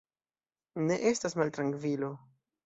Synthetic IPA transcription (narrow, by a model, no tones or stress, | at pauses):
ne̞ʔe̞stasmaltɾaŋkvilo